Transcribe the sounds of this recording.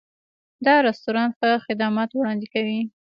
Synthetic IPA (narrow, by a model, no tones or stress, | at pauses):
d̪ɑɾast̪uɾɑnxəxɪd̪amɑt̪wɽɑnd̪ɪkawi